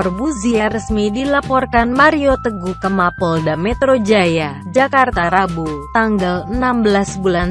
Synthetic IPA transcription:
ɔrbuziaɾəsmidilapɔrkanmaɾiot̪əɡukəmapɔldamɛt̪ɾod͡ʒaja | d͡ʒakart̪aɾabut̪aŋɡalənambəlasbulan

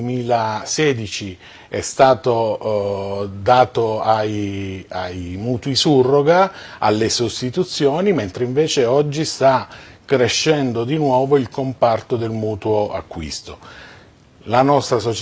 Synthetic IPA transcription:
emiːlaseːd̪it͡ʃi | ɛst̪aːt̪o | d̪aːt̪oajajmuːt̪uisurːoɡaa̰lːesost̪it̪ut̪sːjoːniment̪ɾeiɱveːt͡ʃeɔd͡ʒːist̪akːɾeʃːɛnd̪od̪inwɔːvoilkompart̪od̪elmuːt̪uoa̰kːwḭst̪o | lanɔst̪ɾasot͡ʃ

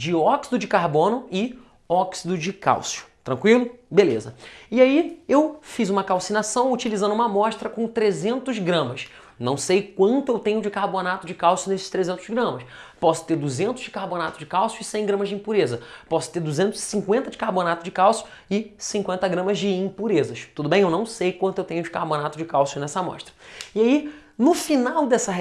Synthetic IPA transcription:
d͡ʒɪɔksid̪ʊd͡ʒɪkaɾbõnʊɪ | ɔksid̪ʊd͡ʒɪka̰wsjʊ̥t̪ɾɐ̃ŋkwilʊbelezɐiaiewfizũmɐkawsinasɐ̃w̃ut͡ʃilizɐ̃nd̪ʊũmɐmɔʃt̪ɾɐkõt̪ɾezẽnt̪ʊzɡɾɐ̃mɐs | nɐ̃w̃sejkwɐ̃nt̪ʊewt̪ẽɲʊd͡ʒɪkaɾbonat̪ʊd͡ʒɪkawsijʊnesɪʃt̪ɾezẽnt̪ʊzɡɾɐ̃mɐspɔsʊ̥t̪eɾd̪uzẽnt̪ʊzd͡ʒɪkahbonat̪ʊ̥d͡ʒɪkawsjʊɪsẽj̃ɡɾɐ̃mɐzd͡ʒĩpuɾezɐpɔsʊ̥t̪eɾd̪uzẽnt̪ʊzɪsĩŋkwẽnt̪ɐd͡ʒɪkahbonat̪ʊd͡ʒɪkawsjʊ | ɪsĩŋkwẽnt̪ɐɡɾɐ̃mɐzd͡ʒɪĩpuɾezɐʃt̪ud̪ʊbẽj̃ewnɐ̃w̃sejkwɐ̃nt̪ʊewt̪ẽɲʊd͡ʒɪkahbonat̪ʊd͡ʒɪkawsjʊnɛsɐmɔ̰ʃt̪ɾɐ̥iai | nʊfinawd̪ɛsɐɦ

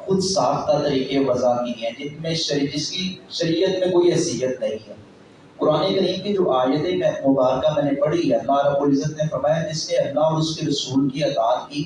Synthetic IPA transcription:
xʊd̪saːft̪at̪ɐɾiːkeʋɐzanĩɦɛ̃d͡ʒɪmẽʃd͡ʒɪskiʃɐɾiːət̪mẽkoːiɦɐsijət̪nɐɦĩɦɛː | kʊɾaːnekəɾiːmkid͡ʒoːʔaːjət̪emɛ̃ːmʊbaːɾkamɛ̃ːnepɐɽiɦɛlaɾəboːlɪzət̪nefɐɾmaːjad͡ʒɪsneɐpnaɔːɾʊskeɾɐsuːlkiɐd̪aːt̪kiː

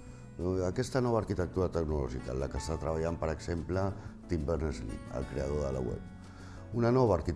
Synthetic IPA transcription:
əkɛst̪ənɔβəːɾkit̪ək̚t̪uɾət̪əknulɔʒikə̰ləkəst̪at̪ɾəβaʎampəɾəɡz̥emplət̪imbəɾnezlḭə̰lˠkɾeəð̞oðələ̰wɛ̰p̚ | unənɔβəːɾkit̪

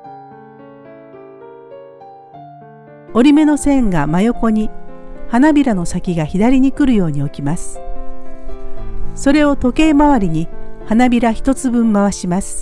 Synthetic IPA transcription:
o̞ɾʲime̞no̞sẽ̞ŋɡamajo̞ko̞ɲ̟ihanabʲiɾano̞sakʲiɡaçid̪aɾʲiɲ̟ikɯ̟ɾɯ̟jo̞ːɲ̟io̞kʲimasɨ̥ | so̞ɾe̞o̞t̪o̞ke̞ːmaβaɾʲiɲ̟ihanabʲiɾaçi̥t̪o̞t͡sɨbɯ̟̃mːaβaɕimasɨ̥

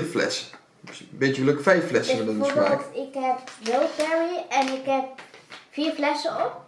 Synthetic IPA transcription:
flɛ̰sə | betəələkfɛjfːlɛsnədəbaltɪkɦɛp̚jowtbɛɹiɛnɪkɦɛp̚fiːɹflɛsəɔp̚

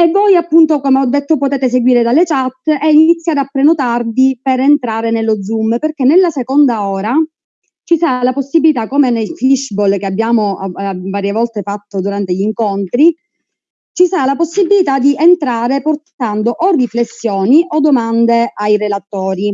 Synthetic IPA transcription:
evːɔjapːunt̪okomeɔd̪ːet̪ːopot̪eːt̪es̬eɡwiːɾed̪alːet͡ʃat̪ːɛinit̪sːjad̪apːɾenot̪ard̪iperent̪ɾaːɾenelːod̪zumːperk̟enːelːasekond̪aɔːɾa | t͡ʃisaɾalaposːibːilit̪akomenejfliʃbolk̟eabːjaːmoavaːɾjevɔlt̪efat̪ːod̪uɾant̪eʎiŋkont̪ɾi | t͡ʃisaɾalaposːibilit̪ad̪iʔent̪ɾaːɾeport̪and̪oʔorːiflesːjɔːniʔod̪omand̪eajrelat̪ːɔːɾi

